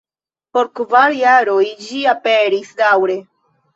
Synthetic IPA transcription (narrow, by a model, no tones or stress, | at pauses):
po̞ɾkvaɾjaɾojd͡ʒiapeɾisdawɾe̞